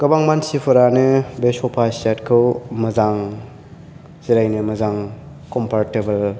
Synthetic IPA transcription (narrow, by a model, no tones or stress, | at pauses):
kɐbaŋmansipʰɯɾanɯbesɔpʰasatkʰɯwmɐzaŋ | ziɾajnɯmɐzaŋ | kɔmpʰaɾtebɐl